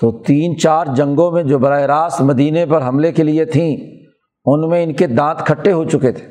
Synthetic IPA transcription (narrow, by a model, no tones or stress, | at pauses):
t̪oːt̪iːnt͡ʃaːɾd͡ʒɐ̃ŋɡõmẽd͡ʒoːbɐɾaːeɾaːst̪mɐd̪iːnepɐɾɦɐmlekeliet̪ʰĩ | ʊnmẽɪnked̪ãːt̪kʰɐʈːeɦot͡ʃʊket̪ʰe̥ː